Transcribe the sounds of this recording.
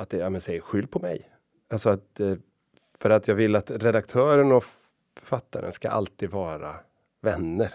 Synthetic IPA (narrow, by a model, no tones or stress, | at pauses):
at̪̚d̪ɛjaːmənsɛjəɧʏld̪̚pʰɔmɛ̰j | alsɔat̪̚ɛ | fœɾat̪ʰjɑːɡvɪlːat̪ɾɛd̪ak̚t̪ʰœːɾənɔ | fœ̥ɾfat̪ːaɾə̰nska̰ʔa̰lt̪iːd̪vɑːɾa | vɛnːəɾ